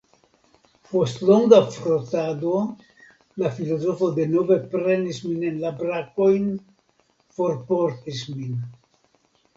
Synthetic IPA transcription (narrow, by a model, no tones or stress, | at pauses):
po̞stloŋɡafɾot̪ado | lafilo̞zo̞fo̞d̪enove̞pɾe̞nisminenlabɾakojn | fo̞ɾpoɾt̪ismin